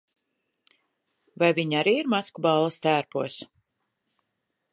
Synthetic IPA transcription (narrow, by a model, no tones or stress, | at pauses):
vajviɲaɾiːiɾmaskubalˠːɐst̪æːɾpuɔs